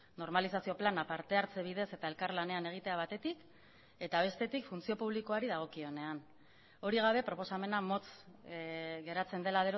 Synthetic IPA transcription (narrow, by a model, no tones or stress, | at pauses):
no̞ɾmalisasio̞planapaɾt̪e̞aɾt͡se̞β̞ið̞e̞se̞t̪ae̞lkaɾlane̞ane̞ɣ̞it̪e̞aβ̞at̪e̞t̪ik | e̞t̪aβ̞e̞st̪e̞t̪ikfunt͡sio̞puβliko̞aɾiðaɣ̞o̞kio̞ne̞an | o̞ɾiɣ̞aβ̞e̞pɾo̞po̞same̞namo̞t͡s | ɣe̞ɾat͡se̞nd̪e̞laðeɾo